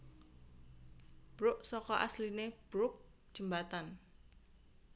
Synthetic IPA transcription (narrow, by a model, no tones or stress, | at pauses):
b̥ɾʊʔsɔkɔʔa̰slineb̥ɾʊk̚d̥ʒ̥ə̤mbat̪an